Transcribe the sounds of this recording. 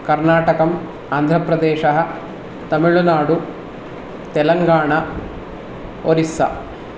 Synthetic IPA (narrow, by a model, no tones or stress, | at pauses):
kɐɾnaːʈɐkɐm | aːnd̪ʱɾɐpɾɐd̪eːʂɐɦɐ | t̪ɐmiɭunaːɽu | t̪ɛlɐŋɡaːɳɐ | oɾisɐ̰